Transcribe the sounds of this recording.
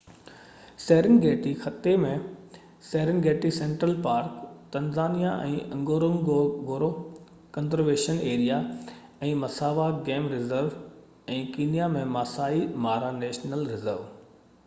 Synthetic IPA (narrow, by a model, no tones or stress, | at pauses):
seːɾɪnɡeːʈixɐt̪emẽ | seːɾɪnɡeːʈisẽːɳʈɾəlpaːɾkt̪ɐ̃nzaːnijaʔɛ̰̃ːʔɐ̃ŋɡoːɾomɡɡoːɾo | kɐ̃nzəɾʋeːʃəneːɾija | ɛ̃ːmɐsaːʋaɡeːmɾɪzəɾʋ | ɛ̃ːkiːnijamẽmaːsaːimaːɾaneːʃnəlɾɪzəɾʋ